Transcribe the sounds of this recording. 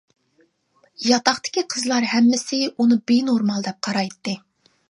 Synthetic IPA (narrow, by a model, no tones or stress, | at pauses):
jɑt̪ɑχt̪ɪ̥kʲiqʰəzlˠɑɾhɛmːɪsɪunɨbenoɾmɑlˠd̪ɛp̚qʰɑɾɑjt̪ːɨ